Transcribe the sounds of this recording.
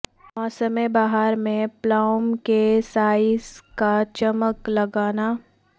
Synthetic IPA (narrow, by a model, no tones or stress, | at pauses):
mɔːsəmẽbaːɦaɾmẽplaːʊmkesaːɪskat͡ʃɐməklɐɡaːnaː